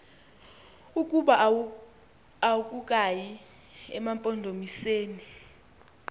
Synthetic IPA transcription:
ukʼuɓa | awuk̬ʼuk̬ʼaji | ɛmampʼɔndʱomiseːni

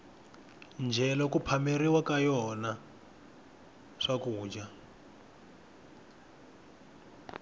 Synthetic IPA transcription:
nd͡ʒʱɛlɔkupʰameɾiwakajɔna | ʂakuːd͡ʒa

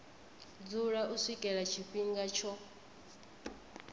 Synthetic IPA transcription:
d͡zuɺaʔusʷikʼɛɺat͡ʃʰipʼiŋɡat͡ʃʰɔ

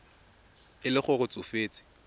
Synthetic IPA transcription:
ɪlɪχʊrʊt͡sʼʊfeːt͡sʼɪ̥

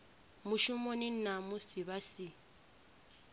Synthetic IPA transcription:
mʊʃʊmonɪn̩namʊsɪβasɪ

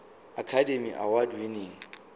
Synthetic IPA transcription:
akʰademiʔa̰wadwineːŋ̩

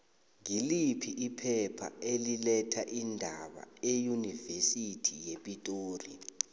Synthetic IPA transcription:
ŋilipʰiʔipʰɛpʰa̰elilɛtʰaʔindʱaɓa̰ejunivesitʰijepʼitʼoːri

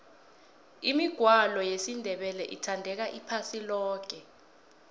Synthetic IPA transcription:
imiɡ̥ʱwalɔjesindʱɛɓɛlɛʔitʰandʱɛk̬aʔipʰasilɔːk̬ɛ

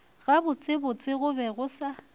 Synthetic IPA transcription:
ɣabʊt͡sʼɪbʊt͡sʼɪɣʊbɛɣʊsa

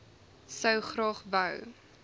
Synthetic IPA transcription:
səwχrɑːχvəw

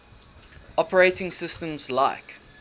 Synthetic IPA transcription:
ʔɔpʰəɹeɪtɪ̃ŋsɪstə̃mzlaɪk

